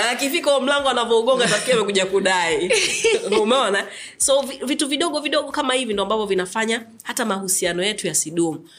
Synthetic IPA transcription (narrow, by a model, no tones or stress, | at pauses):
akifikaɔm̩laŋɡɔanavɔuɠɔŋɡatafkiamɛkuʄakuɗai | umɛɔnasɔvivituviɗɔɠɔviɗɔɠɔkamahivindɔambavɔvinafaɲa | hatamahusianɔjɛtujasiɗumu